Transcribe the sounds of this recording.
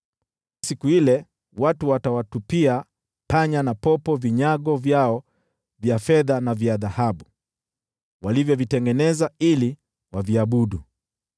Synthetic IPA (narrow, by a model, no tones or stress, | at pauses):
sikuilɛ | watuwatawatupia | paɲanapɔpɔviɲaɡɔvjaɔ | vjafɛðanavjaðahaɓu | walivjɔvitɛŋɡɛnɛzaili | waviaɓuɗu